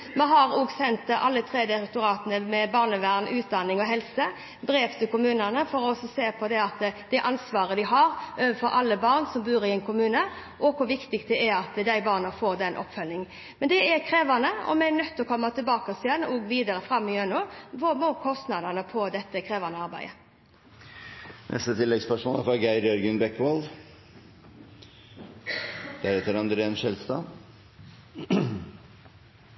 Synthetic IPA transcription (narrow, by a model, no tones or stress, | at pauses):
mɛɦɑɾoːɡsɛnt̪ʔɑ̰lːət̪ʰɾeːd̪əɾɛk̚t̪ʊɾɑːt̪ənəmɛbɑːʁnəʋæʁnʉːt̪̚d̪ɑnːɪŋɔɦɛlsə | bɾeːʋt̪ʰɪkʊmʉːnənəfɔɾɔɔsːɔseːpʰɔd̪ɛɑt̪d̪̥æɪʔɑnsʋɑːɾəd̪ɪɦɑɾʔøːʋənfɔɾʔɑ̰lːəbɑʁnsɔmbʉːɾɪɛɪnkʰʊmʉːnə | ʔɔkʰʊɾʋɪkt̪ɪk̚t̪̚d̪ɛɛɑt̪d̪æɪbɑːʁnɑfoːɾd̪ɛnʔɔ̰pːfœlːɪŋ | mɛnd̪ɛɛkʰɾeːʋɑnəɔ̰mɛɛnœt̪ːɔkʰɔmːɑt̪ʰɪlbɑːkɑsɪjɛnɔːɡʋiːd̪ɑɾəfɾɑmːɪœnʉʋɔmoːkʰɔst̪nɑd̪ənəpʰɔd̪ɛt̪ːəkʰɾeːʋɑnəɑɾbæɪə | nʔɛ̰st̪ət̪ʰɪlːɛɡspœʂmoːlfɾɑɡæɪɾjœɾɡʉnbɛkːʋɑl | d̪̥æɾɛt̪ːəɾɑnd̪ɾeːnʃɛlst̪ɑː